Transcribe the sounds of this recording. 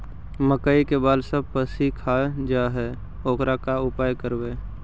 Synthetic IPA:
məkaikebaːlsəb̚pəsikʰaːd͡ʒaɦɛ | oːkɾakaʊpaːjkəɾweː

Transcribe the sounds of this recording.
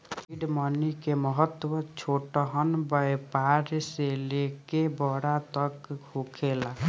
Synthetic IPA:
iɖmənikeməɦət̪ːwət͡ʃʰoʈɔɦənbəjpaɾselekebɔɽat̪əkɡʱukʰela

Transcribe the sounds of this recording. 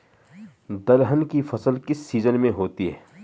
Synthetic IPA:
d̪ɐlɦənkifɐsəlkɪsːiːzənmẽɦoːt̪iɦɛː

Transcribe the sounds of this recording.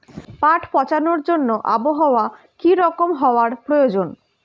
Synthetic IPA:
paʈʰpɔt͡ɕanoɾd͡ʑonːoʔaboɦaoa | kiɾɔkomɦɔoaɾpɾojod͡ʑon

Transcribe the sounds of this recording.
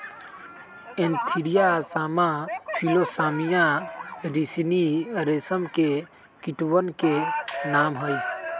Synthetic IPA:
ẽnt̪ʰiɾijasaːmãpʰilosaːmijãɾisniɾesəmke | kiʈuwənkenaːmɦəj

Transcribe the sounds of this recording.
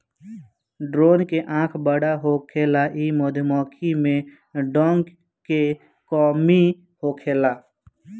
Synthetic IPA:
ɖɾoːnkeʔãːkʰbəɽaɦokʰeːlaʔimoːd̪ʱmɔːkʰimẽ | ɖɔ̃ːŋɡ | ke | kɔːmi | hokʰeːlaː

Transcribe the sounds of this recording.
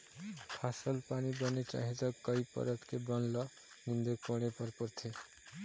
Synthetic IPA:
pʰasɔlpanibɔnit͡ʃa̰ɦid͡ʒɔkːɔjpɔ̰ɾɔt̪kebɔnlɔ | nind̪ɔkɔɽ̃epɔɾpɔɾt̪ʰe

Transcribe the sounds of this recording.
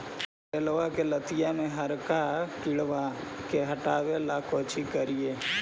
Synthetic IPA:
elʋakelət̪ɪjamẽɦəɾkakɪɽʋa | keɦəʈaːwelakoːt͡ʃikəɾijeː

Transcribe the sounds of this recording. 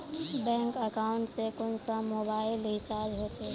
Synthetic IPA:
bɛ̃ŋkəkaʊɳʈsekʊnsəmobaɪlit͡ʃaɾd͡ʒɦot͡ʃe

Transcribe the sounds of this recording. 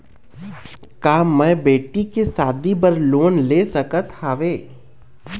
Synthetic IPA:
kaːmɛ̃beːʈikesaːd̪ibəɾloːnleːsəkət̪haːʋeː

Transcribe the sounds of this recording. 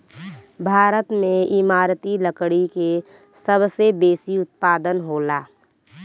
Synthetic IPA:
bʱaːɾət̪mẽɪmaːɾt̪iləkɽike | səbsebeːsiʊt̪̚paːd̪ənɦoːlaː

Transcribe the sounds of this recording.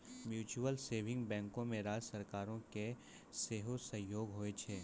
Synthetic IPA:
mjuːt͡ʃuəlseːʋɪ̃ŋɡbɛ̃ːŋkõmẽɾaːd͡ʒsɐɾkaːɾõke | seːɦosɐ̃ɦjoːɡɦoːet͡ʃʰeː

